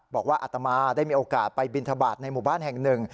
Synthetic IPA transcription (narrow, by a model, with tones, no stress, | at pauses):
bɔː˨˩k̚waː˥˩ʔa˨˩t̪ːa˧maː˧da˥˩jmiː˧ʔoː˧kaː˨˩t̪̚pa˧jbi˧nt̪ʰa˧baː˨˩t̪̚na˧jmuː˨˩baː˥˩nhɛ˨˩ŋnɯ˨˩ŋ